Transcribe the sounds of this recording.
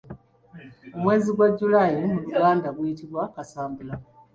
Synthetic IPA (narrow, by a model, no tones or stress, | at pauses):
umwe̞ːziɡwaɟulajimuluɡaːndaɡwujitiβwakasaːmbula